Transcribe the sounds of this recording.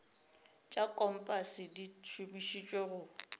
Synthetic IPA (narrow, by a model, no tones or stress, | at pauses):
t͡ʃʼakʼɔm̩pʼasɪdit͡ʃʰumiʃit͡ʃʼweɣʊ